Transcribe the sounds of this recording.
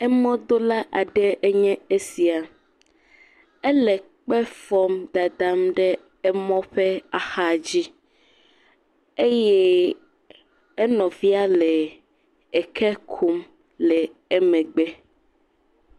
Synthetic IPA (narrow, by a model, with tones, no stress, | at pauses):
ɛ˦mɔ̃˦d̪o˦la˦ʔa˨ɖɛ˦e˦ɲɛ̃˦e˦si˨a˨ | ɛ˦lɛ˨ | k͡pɛ˦fɔ˦md̪a˨d̪a˦mɖɛ˦ | ɛ˦mɔ̃˦ɸɛ˦a˨xa˦d͡ʑi˦ | e˦jɛ˦ | ɛ˦nɔ̃˨vi˦a˦lɛ˨ | e˨kʰɛ˦kʰu˦m | lɛ˨ɛ˦mɛ̃˨ɡ͡bɛ˦